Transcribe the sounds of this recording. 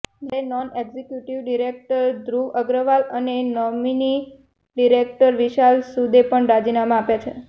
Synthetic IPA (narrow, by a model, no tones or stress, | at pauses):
d͡ʒenɔneɡzekjuʈiʋɖiɾek̚ʈəɾd̪ɾuəɡɾəʋalənenɔmini | ɖiɾek̚ʈəɾʋiʃalsud̪epəɳɾad͡ʒinamãapjat͡ʃʰe